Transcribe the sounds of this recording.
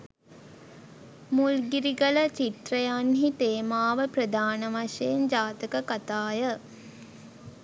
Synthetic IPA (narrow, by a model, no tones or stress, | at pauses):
mulɡiɾiɡələt͡ʃit̪rəjanɦit̪eːmaːʋəprəd̪aːnəʋaʂejend͡ʒaːt̪əkəkat̪aːjə